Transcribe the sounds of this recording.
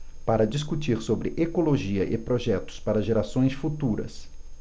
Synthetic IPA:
paɾɐd͡ʒiskut͡ʃiɾsobɾɪʔekoloʒiɐʔɪpɾoʒɛt̪ʊ̥spaɾɐʒeɾasõj̃sfut̪uɾɐ̰s

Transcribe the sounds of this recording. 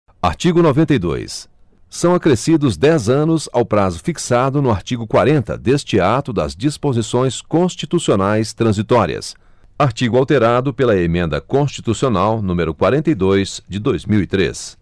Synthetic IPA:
a̰ɾt͡ʃiɡʊnovẽnt̪ejd̪o̰jsː | ɐ̃w̃akɾesid̪ʊzd̪ɛzɐ̃nʊza̰wpɾazʊfiksad̪ʊnʊaɾt͡ʃiɡʊkwaɾẽnt̪ɐ̰d̪est͡ʃɪat̪ʊd̪ɐ̰zd͡ʒispozisõj̃skõst͡ʃit̪usionajst̪ɾɐ̃zit̪ɔɾḭɐ̰s | aɾt͡ʃiɡʊawt̪eɾad̪ʊpelɐemẽnd̪ɐ̰kõst͡ʃi̥t̪usionawnũmeɾʊkwaɾẽnt̪ejd̪ojzd͡ʒɪd̪ojzmiwit̪ɾḛs

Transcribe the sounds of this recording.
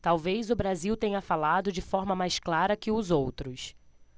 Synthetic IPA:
t̪awvejzʊbɾaziwt̪ẽɲɐfalad̪ʊd͡ʒɪfɔɾmɐmajsklaɾɐkɪʊzowt̪ɾʊs

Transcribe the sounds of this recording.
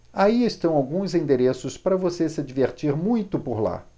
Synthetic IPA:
aiest̪ɐ̃w̃awɡũzẽnd̪eɾesʊspaɾɐvosesɪad͡ʒiveɾt͡ʃiɾmũj̃t̪ʊpoɾla̰

